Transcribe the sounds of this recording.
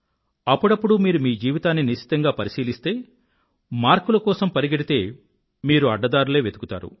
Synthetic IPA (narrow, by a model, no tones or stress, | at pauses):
ɐpːuɽɐpːuɽumiːɾumiːd͡ʒiːʋit̪aːnːiniʃi̥t̪ɐŋɡaːpɐɾisiːlist̪e̞ː | maːɾkulɐkɔːsɐmpɐɾiɡɐɽit̪e̞ː | miːɾuɐɖːɐd̪aːɾule̞ːʋe̞d̪u̥kut̪a̰ːɾṵ